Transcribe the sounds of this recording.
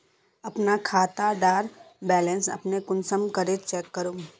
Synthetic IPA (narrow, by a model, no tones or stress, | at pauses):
ɐpnakʰaːt̪aɖaːɾbɛːlẽnsɐ̰pnekʊnsəmkəɾet͡ʃɛːkːəɾuːm